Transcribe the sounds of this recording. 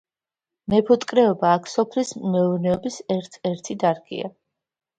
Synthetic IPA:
mɛpʰɔt̪ʼkʼɾɛɔbaːkʰsɔpʰlismɛɔvnɛɔbisɛɾt̪ʰɛɾt̪ʰid̪aɾɡʼḭa̰

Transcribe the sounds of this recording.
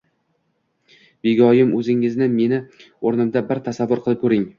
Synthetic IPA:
b̥eɡʲɒjɪmɵzɪŋɪznɪme̞nɪ | oɾnɪmd̪abɪɾt̪ʰasavːʊɾqʰɨlˠɪp̚kʰɵɾɪŋ

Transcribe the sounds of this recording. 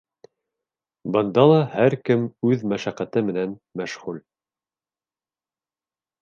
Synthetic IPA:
bɤ̆nd̪ɑlˠɑhæɾkɘmʉðmæʃæqæt̪ɘmɘ̆nænmæʃʁʉl

